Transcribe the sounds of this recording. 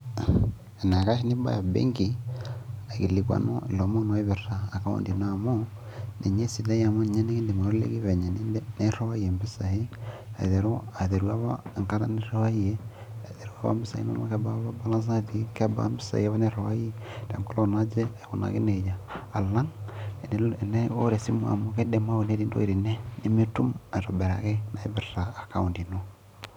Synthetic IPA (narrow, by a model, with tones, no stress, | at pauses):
ɛ˨na˨ka˦ʃi˦ni˦ba̰˦ja˨bḛ˦ŋɡi˨ | a˨ki˨li˨kwa̰˨no̰˦ḭ˨lɔ˨mɔ˦nɔ˦i˦βɛ˨raː˨ka˨o̰˨ndi˨no˨˦a˨mo˦ | nɛ˨ɲɛ˦si˨da˦ja˨mo˦n˨ɲa˦nɛ˦ki˦ndi˨ma˨ɾlḛ˦ki˦βɛ˨ɲa˨n˦nɛ˦ɾɔ˦a˦iɛ˨mbi˦sa˨he˦a̰˨ðɛ˨ɾo˦a˨ðɛ˨ɾu˦a˦βa̰˦˨ŋka˦ɾa̰˦ni˦ɾa˦wa˦i˦ɛ˦ | a˨ðɛ˨ɾu˦a̰˦βa̰˦mbi˦sa̰˨ḭ˦no̰˦ma˦kɛ˦ba˦βa˦ba˦la˦ns̬a˦ði˨˦kɛ˦ba̰˦mbi˦sa̰˨˦ɛ˦βa˦nɛ˦ɾɔ˨wa˦i˦d̥a˨m˨kɔ˦lo˦na˦d͡ʒɛ˦ɛ˨βo˨na̰˨kḛ˦nɛ˨d͡ʒaː˨la˦ŋ˨n˨nɛ˦o̰˦ɾɛ˨si˦mwa̰˨mo˦kɛ˦dɛ˨ma˦wo˨nɛ˦ɾi˦ndo̰˦i˨ɾi˨nɛ˦ne˦mi˦tu˦ma˨ɾɔ˨bɛ˨ɾa̰˨kɛ˦na˨i˦βɛ˨ɾɾaː˨ka˦u˨ndi˨no˦